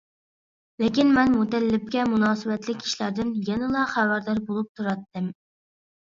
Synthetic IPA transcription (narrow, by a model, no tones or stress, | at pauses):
lɪkʲinmɛnmut̪ɛlːɪp̚kʲɛmunɑːsɨwɛt̪lɪkʲʰːi̥ʃlæɾd̪ɪnjɛnɪlˠɑχæwæɾd̪ɑɾbolˠup̚t̪ʰuɾɑt̪ːɨm